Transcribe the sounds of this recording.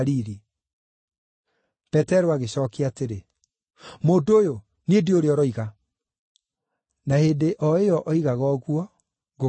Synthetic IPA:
ɾiɾi | pɛtɛɾoaɣeɕɔːkeateɾe | moːdojo | nendeoɾeɔɾɔiɣa | naheːndeʔɔeɔʔɔiɣaɣɔɣwɔ | ɣo

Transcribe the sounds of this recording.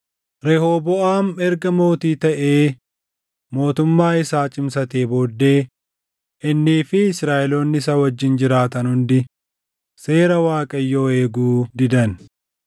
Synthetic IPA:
ɾɛhoːbɔʔaːmɛɾɡɐmo̞ːt̪iːt̪ɐʔe̞ː | mo̞ːt̪ʊmːaːɪsaːt͡ʃʼɪmsɐt̪eːboːd̪ːe̞ː | ʔɪnːiːfɪɪsɾaːʔɛlo̞ːnːɪs̬aːwɐd͡ʒːɪnd͡ʒɪɾaːt̪ɐnhʊnd̪ɪ | se̞ːɾɐwaːkʼɐjːo̞ːe̞ːɡuːd̪ɪd̪ɐn

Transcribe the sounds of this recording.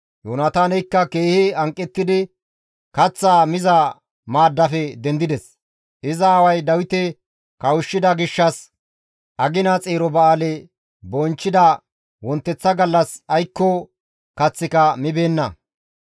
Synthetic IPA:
joːnɐt̪aːnɛjkːɐke̞ːhɪɐŋkʼːɛt̪ːɪd̪ɪ | kɐt͡sːaːmɪzɐ | maːd̪ːɐfɛd̪ɛnd̪ɪd̪ɛs | ʔɪzɐːwɐjd̪ɐwɪt̪ɛ | kɐwʊʃːɪd̪ɐɡɪʃːɐs | ʔɐɡɪnɐt͡sʼeːɾɔbɐaːlɛ | bɔnt͡ʃːɪd̪ɐ | wɔnt̪ːɛt͡sːɐɡɐlːɐsɐjkːɔ | kɐt͡sːɪkɐmɪbe̞ːnːɐ̰

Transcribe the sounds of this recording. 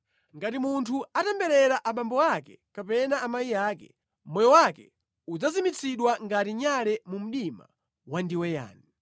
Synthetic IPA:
ŋɡatimuntʰuatɛmbɛɾɛɾaʔaɓambɔakɛkapɛnaːmajijaːkɛ | mɔjɔwakɛ̰ | ud͡zazimit͡sʰiɗwaŋɡatiɲalɛmum̩ɗima̰ | wandiwɛja̰ːni

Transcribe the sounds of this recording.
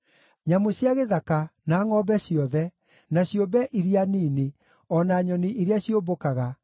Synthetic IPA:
ɲamoɕjaɣeðakanaːŋɔbɛɕiɔðɛ | naɕjobɛʔiɾianiːne | ɔnaɲɔniʔeɾeaɕiobokaɣa

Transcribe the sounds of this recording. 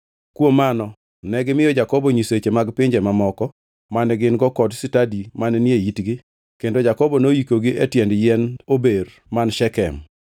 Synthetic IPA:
kwomanɔ | nɛɡɪmɪjɔd͡ʒakɔbɔɲiset͡ʃemaɡpɪɲd͡ʒɛmamɔkɔ | manɛɡɪnɡɔkɔdsɪtadimanɛnjeitɡɪ | kendod͡ʒakɔbɔnoikoɡɪʔetjɛndjɛnober | manʃɛkɛ̰m

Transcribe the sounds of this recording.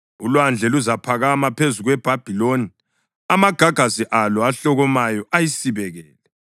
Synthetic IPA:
ulwand͡ɮʱɛluzapʰaɣamapʰezuɣwɛb̥ʱab̥ʱiloni | amaɡ̥ʱaɡ̥ʱasiʔalɔaɬɔɣɔmajɔʔajisiβɛɣɛːlɛ

